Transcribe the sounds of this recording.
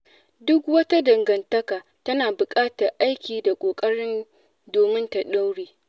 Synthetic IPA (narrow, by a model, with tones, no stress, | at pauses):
dʊ˦kwɐ˦ta˦dɐ˨ŋɡɐ˨ntɐ˦kaː˨ | tɐ˦naː˨bʊ˨kʼaː˦tɐ˨rʔa˦jkʲiː˨da˨kʷʼoː˨kʼɐ˦ɽɪ˦n | doː˨mɪ˦nta˨ɗa˦wɽiː˦